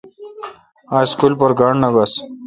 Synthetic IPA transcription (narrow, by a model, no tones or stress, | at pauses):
aːjskulpɐɾɡaɳnɐbɐs